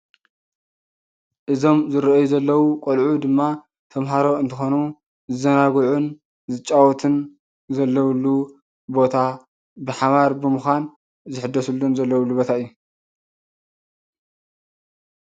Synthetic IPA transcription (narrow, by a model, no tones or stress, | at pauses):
ʔɨzo̞mzɨɾʔjuzɐlːɐwukʼolʕud̪ɨmːa | t̪ʰɐmɦaɾo̞ɨnt̪ʰɨxonu | zɨzɐnaɡʕun | zɨt͡ʃʼawɔt̪ʰɨn | zɐlːɐwlːu | bo̞t̪ʰa | bɨħaβaɾbɨmɨxan | zɨħɨd̪ːɐsulːunzɐlːɐwulːubo̞t̪ʰaɨjːu